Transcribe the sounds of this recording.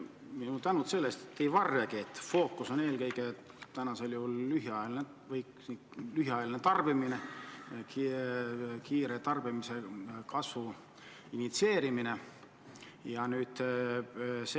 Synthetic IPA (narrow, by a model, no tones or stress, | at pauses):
minut̪ænut̪se̞lːest̪e̥t̪ːeivɑrjɑɡiet̪ːfo̞ːkːˑuso̞ne̞ːlkɤjɡe | t̪ænɑse̞ljuhulːyɦiɑjɑline | vɤj | lyɦiɑjɑlinet̪ɑrb̥iminek | kiːɾet̪ɑrb̥imise̞kɑsvu | init̪se̞ːɾimine̞ | jɑnyːd̪̥ | s